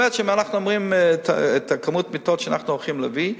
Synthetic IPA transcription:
etʃemianaχnuomʁimtʰa̰etakamutmitotʃanaχnuolχimlevi

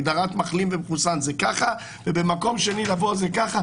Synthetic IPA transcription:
d̪aʁat̪maχlimvemχusanzekaχa | vebemako̞mʃenilavolzekaχa

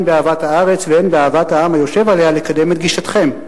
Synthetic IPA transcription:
nbeaːvathaaʁe̞t͡sveenbeaːvat̪haamajo̞ʃe̞vale̞halekad̪e̞me̞t̪̚ɡiʃat̪χe̞m

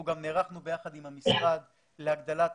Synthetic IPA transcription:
uɡamneʁaχnube̞jaχad̪imhamisʁad̪ | leaɡd̪alat

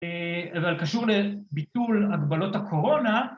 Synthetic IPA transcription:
eavalkaʃuʁlebit̪ulaɡbalo̞thakʰo̞ʁo̞na

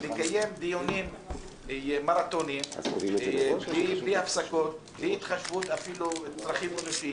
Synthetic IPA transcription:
lekaje̞md̪ijonim | maɾat̪onim | blibiafsakot̪̚bliit̪χaʃvut̪afilut͡sʁaχimːenuʃi

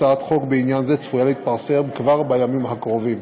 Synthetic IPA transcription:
aat̪χo̞kbeinjanzet͡sfujaleit̪̚paʁsemkvaʁbajamimhakʁo̞vim

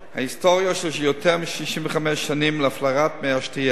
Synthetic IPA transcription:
hahistoʁjaʃlʃijotʰɛʁmiʃliʃimvəχamɛʃːanimlaflaʁatmeaʃtia

